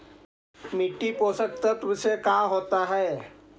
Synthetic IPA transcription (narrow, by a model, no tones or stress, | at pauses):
mɪʈːipoːsək̚t̪at̪ʊmsekaːɦoːt̪aɦɛː